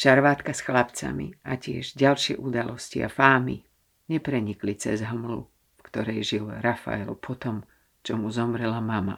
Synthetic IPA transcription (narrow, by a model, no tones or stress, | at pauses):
ʃaɾʋaːt̪kasxlapt͡sa̰mḭʔacɪɛʒɟalʃɪɛ̰ʔud̪alɔscḭa̰faːmi | ɲɛpɾɛɲiklit͡sɛzɦmlṵ | fkt̪ɔɾɛjʒilɾafa̰ɛ̰lpʰɔt̪ɔm | t͡ʃɔmuzɔmɾɛlamama̰